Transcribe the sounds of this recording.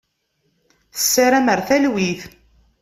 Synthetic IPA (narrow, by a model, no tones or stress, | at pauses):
θə̥sːaɾæməɾθælwiθ